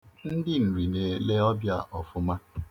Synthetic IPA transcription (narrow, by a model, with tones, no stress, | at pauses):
n̩˦dɪ˦n̩˨ɾi˨ne˨le˦ɔ˦bja̰˦˨ʔɔ˨fʊ˨ma˦